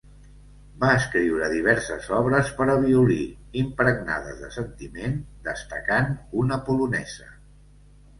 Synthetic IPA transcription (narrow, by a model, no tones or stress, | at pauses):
baəskɾiwɾəðiβ̞ɛɾsəzɔβɾəspəɾəβiuli | impɾəɡna̰ðə̰zðəsənt̪imend̪əst̪əkanunəpulunɛzə